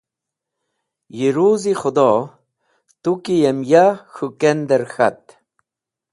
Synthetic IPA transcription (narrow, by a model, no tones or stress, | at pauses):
jiɾuzixʊd̪ɔ | t̪ukijemjaxukɛnd̪əɾxa̰t̪